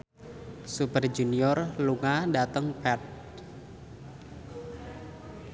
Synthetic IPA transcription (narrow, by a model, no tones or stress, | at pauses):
supərd͡ʒuniɔrluŋadat̪əŋpɛt̪̚